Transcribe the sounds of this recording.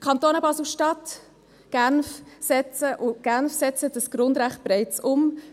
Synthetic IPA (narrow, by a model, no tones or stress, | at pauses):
kʰɑntoːnəbɑsl̩ʃtɑt | ɡ̥ænfsɛt͡səʔʊɡ̥ænfsɛt͡səd̥əsɡ̥ɾʊndɾæχt̚bɾɛɪt͡sʊm